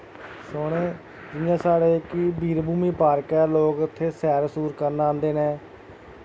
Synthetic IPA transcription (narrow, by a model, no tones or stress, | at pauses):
sʊɽ̃eː | d͡ʒɪjãːsaːɽeːkɪbʱiːɾbuːmiːpaːɾkɛːloːkʊt̪ʰːeːsɛːɾsuːɾkəɾnãːnd̪eːnẽː